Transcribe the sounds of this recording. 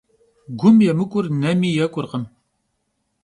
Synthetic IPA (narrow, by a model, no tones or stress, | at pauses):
ɡʷʊmjɛmɨkʷʼʊrnɛmijɛkʷʼʊrqəm